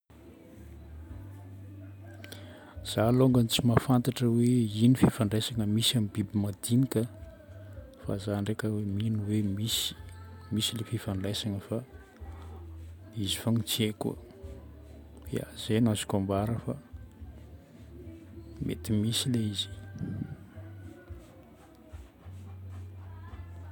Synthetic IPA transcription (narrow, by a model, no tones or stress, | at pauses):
z̥aloŋɡant͡simafant̪aʈ͡ʂəweinififaɳɖ͡ʐesaŋəmisamibibimad̪inikʲə | fa̰zaɳɖ͡ʐekʲəweminiwemisi̥misilefifaɳɖ͡ʐajsaŋəfa | izi̥faŋit͡siekṵ | j̰a̰z̥enazi̥kombaɾəfa | mʔḛt̪imisileizi̥